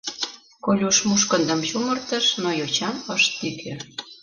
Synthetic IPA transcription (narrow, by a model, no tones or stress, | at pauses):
kolʲuʃmuʃkə̆nd̪ə̆mt͡ɕumərt̪əʃnojot͡ɕɑməʃt̪ːikʰe